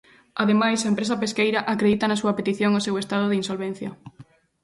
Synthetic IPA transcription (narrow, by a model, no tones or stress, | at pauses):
aðemajsaempɾes̬ɐpeskejɾɐʔakɾeðit̪ɐnɐsuɐpet̪iθjoŋosewest̪að̞ʊðɪinsolβẽn̟θjɐ